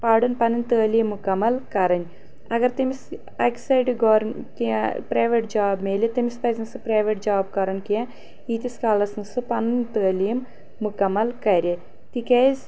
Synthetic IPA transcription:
paːɖɐnpɐnɨnt̪əːlijɐmːukɐmɐlkɐɾɐn | ɐɡɐɾt̪imis | ɐksɐjɖɡoːɾkḭpɾɐjʋeʈd͡ʒaːbmeːlet̪ɐmist̪ɐːznɨsɨpɾɐːʋeʈ̚d͡ʒaːb̚kɐɾɐnkijã | iːt̪iskaːlɐsnsɨpɐnɨnt̪əːlijɐmː | ukɐmːɐlkɐɾʲjɐ | t̪ikɐz

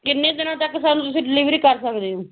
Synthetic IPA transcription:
kɪnːẽːd̪ɪnãːt̪əkːsaːnũːt̪ʊsĩːɖɪliːʋɾiːkəɾsəkd̪eːɦoː

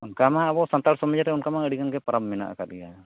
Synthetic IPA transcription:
unkamaabɔsant̪aɽsɔmad͡ʒaɾɛunkamaəɽiɡaŋɡɛpaɾammɛna̰ʔa̰kat̪̚ɡɛja

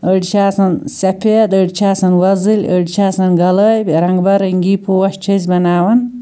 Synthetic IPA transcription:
əɖt͡ʃʰaːsɐnsɐpʰeːd̪əɖʲt͡ʃʰaːsɐnwɐzɨlʲə̰ɖʲt͡ʃʰaːsɐnɡɐləːjbʲɾɐŋɡbɐɾəŋɡiːpʰowɐʃt͡ʃʰizʲbɐnaːwɐn

